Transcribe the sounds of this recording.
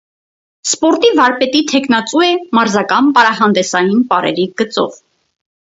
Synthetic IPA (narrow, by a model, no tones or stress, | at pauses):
spɔɾt̪ivɑɾpɛt̪it̪ʰɛkʰnɑt͡suɛmɑɾzɑkɑnpɑɾɑɦɑnd̪ɛsɑjinpɑɾɛ̰ɾiɡ̥ət͡sɔ̰v